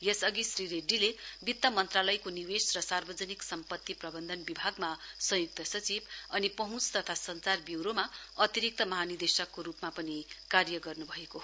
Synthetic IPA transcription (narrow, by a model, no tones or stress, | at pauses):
jesʌɡisriɾeɖilebit̪ːʌmʌnt̪ralʌjkoniwesrʌsarbʌd͡zʌniksʌmpʌt̪ːiprʌbʌnd̪ʱʌnbibʱaɡmasʌ̃juk̚t̪ʌsʌt͡sibʌnipʌɦũt͡st̪ʌt̪ʰasʌnt͡sarbjiwɾoma | ʌt̪iɾik̚t̪ʌmʌɦanird̪esʌkːoɾupmapʌnikarjʌɡʌrnubʱʌeko